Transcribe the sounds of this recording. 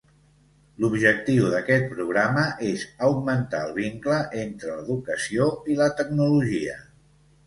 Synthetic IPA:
lubʒək̚t̪iwðəkɛt̪̚pɾuɣ̞ɾaməʔezəwɡmənt̪a̰əlˠβ̞iŋkləʔent̪ɾələðukəsioilət̪əɡnuluʒiə

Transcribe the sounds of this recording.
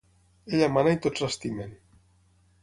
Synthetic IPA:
eʎamanajt̪osast̪imen

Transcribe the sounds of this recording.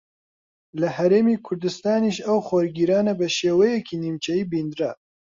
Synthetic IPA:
lɨhɛɾeːmiːkʰʊɾd̪ɨst̪aːniʃɐwxoɾɡiːɾaːnabɨʃeːwɛjɛkiːnimt͡ʃʰɛjiːbiːnd̪ɾɐ

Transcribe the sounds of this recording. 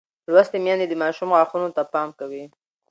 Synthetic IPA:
lwast̪emjɑnd̪ed̪əmɑʃumɣɑxunot̪apɑmkawi

